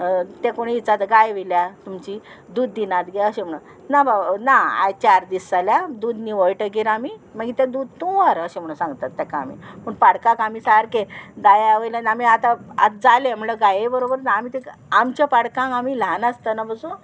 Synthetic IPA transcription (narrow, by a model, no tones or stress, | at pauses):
t̪ekoɽ̃iːt͡sat̪ɡajʋiljat̪umt͡ɕi | d̪uːd̪ːinat̪ɡɛəɕem̤əɽu | nabanaa̰jt͡ɕaɾd̪isaljad̪ud̪niʋəjʈəɡiɾamiməɡit̪ãd̪ud̪̚t̪oʋaɾəɕem̤əɽũnsãŋɡt̪at̪ːɛkaːm̤ḭməɳpaɽkãkamiːsaɾked̪ajaʋəjlanamiat̪aa̰t̪d͡zalem̤ləɡajebəɾobəɾnaːmit̪ekamt͡ɕapaɽkãŋkamilanast̪ənabəsu